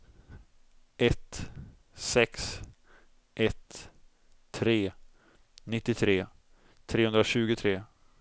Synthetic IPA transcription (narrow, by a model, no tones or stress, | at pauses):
ʔɛt̪ | sɛks | ʔɛt̪ʰ | ɾeː | nɪt̪ːɪt̪ʰɾeː | t̪ʰɾeːhɵnd̪ɾaɕʉ̟ːɡʊt̪ʰɾeː